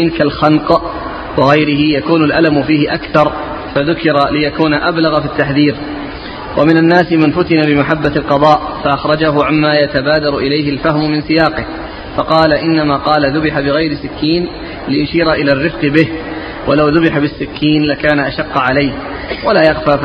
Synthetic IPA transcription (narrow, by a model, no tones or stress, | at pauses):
nkalxɑnq | wɑɣajɾɪhɪjakuːnʊlʔalamʊfiːhɪʔakθɑɾˤ | faðʊkɪɾalɪjakuːnaʔablaɣfit̪ːaħðiːɾ | wʔamɪnanːaːsɪmanfʊt̪ɪnabɪmaħabːalqɑðˤɑːʔfaʔaxɾˤɑd͡ʒaɦʊʕamːaːjat̪abaːd̪ɑɾˤʊʔɪlajhɪlfahmʊmɪnsɪjaːqɪh | fɑqɑːlaʔɪnːamaːqɑːlaðʊbɪħabɪɣajɾɪsɪkːiːn | lɪjʊʃiːɾaʔɪlaːrːɪfqɨbɪh | walawðʊbɪħabɪsːɪkʰːiːnlakaːnaʔaʃɑqːʕalajh | walaːjaɣfaː